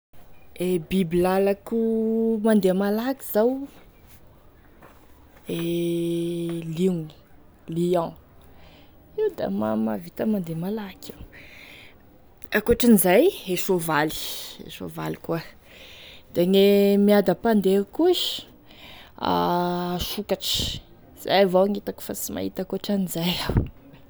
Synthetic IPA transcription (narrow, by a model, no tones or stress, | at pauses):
ebibilalakumand̪emalaki̥z̥aw | e | liŋ | liã | iwd̪a̰mamavit̪əmand̪emalaka | akuoʈ͡ʂinizajeʃovali̥ḛʃo̰va̰likua | d̪̥aŋemiad̪apand̪eukuʃ | a̰ʃukaʈ͡ʂi̥ | z̥ajavoaŋit̪aku̥fasima̰ɦit̪akoʈ͡ʂanizajaw